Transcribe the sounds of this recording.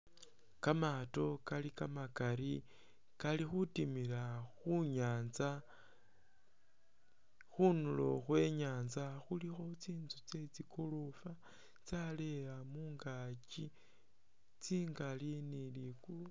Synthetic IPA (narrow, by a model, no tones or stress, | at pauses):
kamato̞kalikamakaɾi | kalixutimilaxuɲaːnza | xunulo̞̰xwe̞ɲaːnzaxulixo̞t͡siːnzut͡se̞t͡sikʰolofa | t͡sale̞amuːŋɡaci | t͡siːŋɡalinilikulu